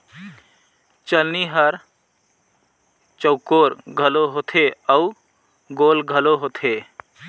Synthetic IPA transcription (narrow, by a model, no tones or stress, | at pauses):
t͡ʃəlniɦəɾ | t͡ʃəʊkoːɾɡʱəloɦot̪ʰeəu | ɡoːlɡʱəloɦoːt̪ʰe